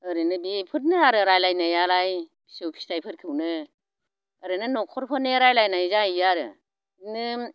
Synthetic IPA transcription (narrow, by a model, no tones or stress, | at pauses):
ɯɾɯnɯbipʰɯt̚nɯaɾɯɾajlajnajaɾajbʰi̥sopʰi̥stʰajpʰɯɾkʰɯwnɯ | aɾɯnɯnɔkʰɔɾpʰɯneɾajlajnajzajaɾɯ̰ | nɯ